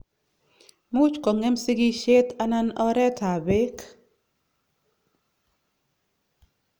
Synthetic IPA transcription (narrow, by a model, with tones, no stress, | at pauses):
mu˦t͡ʃkɔ˨ŋɛ˦msɪ˦ɡi˦ʃe˦t̪a˦na˦nɔ˦ɾɛ˦tʰa˨be˦k